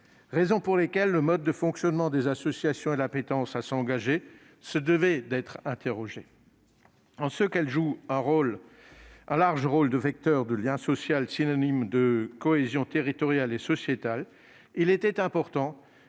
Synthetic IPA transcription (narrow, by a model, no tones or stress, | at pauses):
ʁezɔ̃puʁlekʲɛlːəmɔd̪̚ːəfɔ̃ksjɔnmɑ̃d̪ezasɔsjasjɔ̃ed̪lapet̪ɑ̃sasɑ̃ɡaʒe | səd̪əvɛd̪ɛt̪χɛ̃t̪eʁɔʒe | ɑ̃səkɛlʒuɛ̃ʁol | ɛ̃laʁʒʁold̪əvɛk̚t̪œʁd̪əljɛ̃sɔsjalsinɔnimd̪əkɔezjɔ̃t̪eʁit̪ɔʁjalesɔsjet̪al | ilet̪ɛt̪ɛ̃pɔʁt̪ɑ̃